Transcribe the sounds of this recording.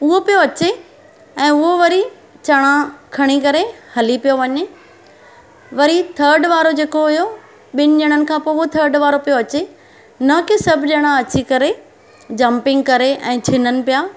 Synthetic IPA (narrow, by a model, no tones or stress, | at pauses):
ʊɦopijoɐt͡ɕe | ɛ̃ːʊɦoʋɐɾi | t͡ɕɐɽ̃ãkʰɐɽ̃ikɐɾehɐlipijoʋɐɲe | ʋɐɾit̪ʰəɾɖʋaːɾod͡ʑeːkoɦʊjo | ɓɪnɪ̆ɲəɽ̃ənɪ̆kʰãːpoːʊɦot̪ʰəɾɖʋaːɾopijoɐt͡ɕe | nɐkesɐbʱʄɐɽ̃ãɐt͡ɕikɐɾe | d͡ʑɐ̃mpɪ̃ŋɡ̚kɐɾeʔɛ̃ːt͡ɕʰɪnənɪ̆pijaː